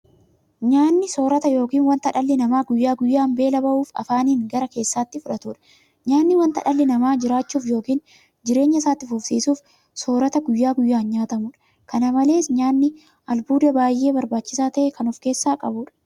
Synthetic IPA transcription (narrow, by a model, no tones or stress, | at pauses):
ɲaːnːɪso̞ːɾɐt̪ɐjo̞ːkiːnwɐnt̪ɐᶑɐlːɪnɐmaːɡʊjːaːɡʊjːaːmbe̞ːlɐbɐʔuːfɐ̰faːniːŋɡɐɾɐke̞ːsːaːt̪ːɪfʊᶑɐt̪uːᶑɐ̥ | ɲaːnːɪwɐnt̪ɐ̰ᶑɐlːɪnɐmaːd͡ʒɪɾaːt͡ʃːuːfjo̞ːkiːn | d͡ʒɪɾe̞ːɲːɐsaːt̪ːɪfʊfsiːsuːf | so̞ːɾɐt̪ɐɡʊjːaːɡʊjːaːnɲaːt̪ɐmʊːᶑɐ̥ | kɐnɐmɐle̞ːsɲaːnːɪ | ʔɐlbuːd̪ɐbaːjːe̞ːbɐɾbaːt͡ʃːɪsaːt̪ɐʔɛkɐnʊfke̞ːsːaːkʼɐbuːᶑɐ̥